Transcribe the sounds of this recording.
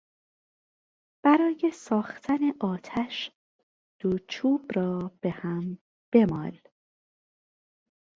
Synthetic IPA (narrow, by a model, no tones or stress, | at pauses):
b̥æɾɒːje̞sɒːxt̪ʰæne̞ʔɒːt̪ʰæʃ | d̪̥ot͡ʃʰuːbɾɒːb̥e̞hæm | b̥e̞mɒːl